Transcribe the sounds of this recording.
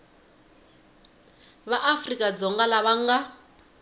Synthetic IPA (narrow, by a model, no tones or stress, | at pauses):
βaʔafrikʼad͡zɔŋɡalaβaŋɡa